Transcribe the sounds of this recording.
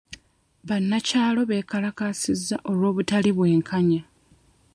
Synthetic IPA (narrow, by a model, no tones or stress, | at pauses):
βanːacaːlo̞βe̞ːkalakasizːaʔo̞lwo̞ːβutaliβwe̞ːŋkʰaɲa